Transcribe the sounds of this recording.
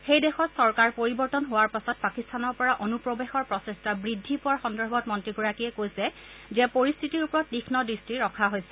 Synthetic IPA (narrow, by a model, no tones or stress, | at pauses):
xejdɛxɔtsɔɹkaɹpoɹibɔɹtɔnɦowaɹpasɔt̚pakistʰanɔɹpɔɹaʔonupɹɔbexɔɹpɹɔsestʰabɹidʱːipɔaxɔndɔɹbʱɔtmɔntɹiɡuɹakiɛkojsɛ | zɛpoɹistʰitiɹupɔɹɔt̚dixnɔdɹistiɹɔkʰaɦojsɛ